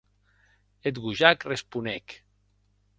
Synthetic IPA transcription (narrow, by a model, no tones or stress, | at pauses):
et̪ɣuʒakrespunek